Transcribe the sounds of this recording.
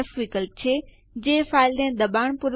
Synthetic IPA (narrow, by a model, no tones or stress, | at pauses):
fʋikəlt͡ɕʰe | d͡ʑeːfaːɪld̪ẽd̪ɐbaːɽ̃pʊɾ